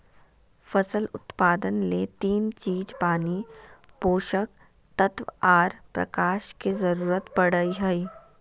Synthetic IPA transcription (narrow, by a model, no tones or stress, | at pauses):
fɐsəlʊt̪paːd̪ənlet̪iːnt͡ʃiːd͡ʒpaːni | poːʃək̚ | t̪ət̪ʋaːɾpɾɐ̰kaːʃkezɐɾuːɾət̪pɐɽəiɦɐi